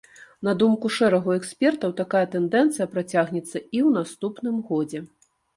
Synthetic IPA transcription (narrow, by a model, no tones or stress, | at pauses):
n̪ɐd̪umkuʂɛɾɐɣuɛksʲpʲɛrt̪ɐwt̪akajɐt̪ɛnd̪ɛnt̪sɨjɐpɾat͡sʲaɣnʲɛt̪sːɐiwn̪ast̪upnɨmɣɔd͡zʲɛ